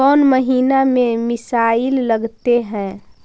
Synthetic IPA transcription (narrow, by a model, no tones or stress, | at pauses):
ɔːnməɦiːnamẽmɪsaːɪlːəɡt̪eɦɛ̃